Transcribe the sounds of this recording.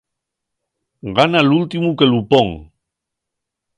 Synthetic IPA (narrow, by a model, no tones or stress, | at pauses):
ɡanalult̪imuke̞lupoŋ